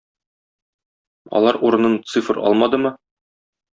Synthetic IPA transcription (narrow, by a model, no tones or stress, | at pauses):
ɒ̰lˠɑɾuɾɤ̆nɤnt̪sɨfɾɒ̰lˠmɑd̪ɤmɤ